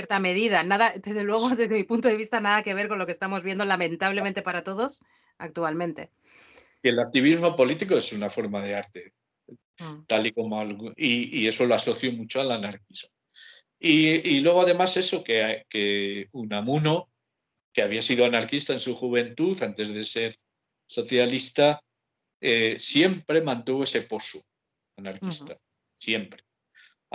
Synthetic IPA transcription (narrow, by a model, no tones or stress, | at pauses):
jeɾt̪ame̞ð̞iðanaðad̪e̞zðelwe̞ɣ̞oðe̞zðe̞mipunt̪oðe̞βist̪anaðake̞β̞e̞ɾko̞nlo̞kest̪amo̞zβje̞nd̪o̞lamẽ̞nt̪aβle̞ment̪e̞paɾat̪o̞ðo̞s | ak̚t̪ualmẽ̞nt̪e | ielak̚t̪iβ̞izmo̞po̞lit̪ikoesunafo̞ɾmað̞e̞aɾt̪e̞ | t̪aliko̞moalɣiie̞so̞loaso̞θjomut͡ʃoalanaɾk̚izmo | iilwe̞ɣ̞o̞aðe̞mase̞so̞kekeunamuno | keaβiasið̞oanaɾkist̪ae̞nsuxuβ̞e̞nt̪uθant̪e̞zðe̞se̞ɾ | so̞θjalist̪a | esje̞mpɾe̞mãnt̪uβoe̞se̞po̞su | anaɾkist̪a | sje̞mpɾe